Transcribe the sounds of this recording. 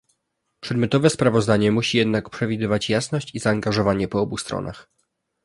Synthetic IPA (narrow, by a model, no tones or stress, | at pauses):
pʂɛd̪mʲjɔt̪ɔvɛspɾavɔzd̪aɲɛmuɕijɛd̪nakpʂɛvʲid̪ɘvat͡ɕjasnɔɕt͡ɕizaːŋɡaʐɔvaɲɛpɔɔbust̪ɾɔ̰nʔa̰x